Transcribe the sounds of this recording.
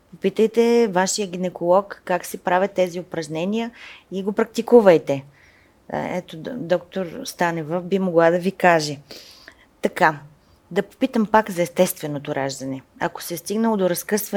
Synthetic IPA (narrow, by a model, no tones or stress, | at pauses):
popit̪əjt̪ɛvaʃijəɡ̟inɛkolˠɔkːaksɛpɾavʲət̪ːɛziʊpɾɐʒnɛnʲijəiɡopɾɐk̚t̪ikuvəjt̪ɛ̰ | ɛ̰t̪od̪ɔkt̪oɾst̪anɛvəfbimoɡlˠad̪ɐvikaʒɛ | t̪ɐka | d̪ɐpo̥pit̪əmpakzɐɛst̪ɛst̪vɛnot̪oɾaʒd̪ɐnɛɐ̰ko̥sɛst̪iɡnəlˠod̪oɾɐskɤsvɐ